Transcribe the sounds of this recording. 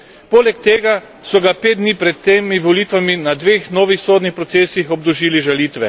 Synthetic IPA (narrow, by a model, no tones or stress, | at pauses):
poːlɛkt̪eːɡa | sɔɡapeːd̪̚d̪niːpɾɛt̪ːeːmiʋɔliːt̪ʋaminad̪ʋeːxnoːʋixsoːd̪nixpɾɔt̪seːsixɔb̚d̪ɔʒiːliʒaliːt̪ʋɛ